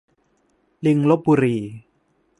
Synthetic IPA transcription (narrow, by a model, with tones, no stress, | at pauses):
li˧ŋlo˦˥p̚buː˧ɾiː˧